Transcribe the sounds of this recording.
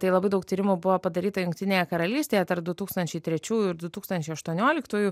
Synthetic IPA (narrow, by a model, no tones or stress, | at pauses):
t̪ɐɪlˠɐbɐɪd̪ɐʊkt̪ʲiːɾʲɪmubʊʋopɐd̪ɐɾʲiːt̪ɐjʊŋkt̪ʲɪnʲeːjɛkɐɾɐlʲiːsʲt̪ʲeːjɛt̪ɐɾpd̪ʊt̪uːkst̪ɐnʲt͡ʃʲɛɪt̪ʲɾʲɛt͡ʃʲuːjuɪɾd̪ʊt̪uːkst̪ɐnʲt͡ʃʲɛɪɐʃt̪uɔnʲoːlʲɪkt̪uːjuː